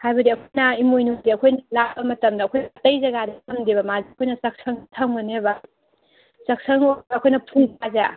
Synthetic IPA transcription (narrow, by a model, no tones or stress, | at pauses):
hajbɐdiɐkʰojnɐimojnudiɐkʰojnɐlabɐmɐtɐmdɐːkʰojnɐɐtɐjzɐɡadɐkɐmdibɐmazeɐkʰojnɐsɐk̚sɐŋtʰɐŋbɐnebɐ | sɐk̚sʰɐŋobːkʰojnɐpʰuŋbaza